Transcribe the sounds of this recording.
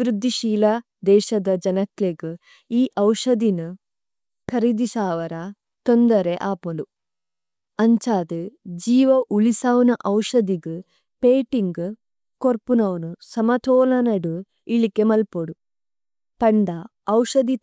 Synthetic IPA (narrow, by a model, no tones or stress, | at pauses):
ɾud̪ʱːiʃiːlɐ | d̪ɛːʃɐd̪ɐd͡ʒɐnɐkleɡɨ | iːʔɐwʂɐd̪inu | kʰɐɾid̪isaːʋɐɾɐ | t̪ond̪ɐɾeʔaːpɐlu | ɐɲt͡ʃaːd̪ɨd͡ʒiːʋɐʔuɭisaːʋnɐʔɐwʂɐd̪iɡɨ | peːʈiŋɡɨ | koɾpunɐʋɐnusɐmɐt̪ʰoːlɐnɐɽu | iɭikemɐlpoɽu | pɐɳɖɐːwʂɐd̪i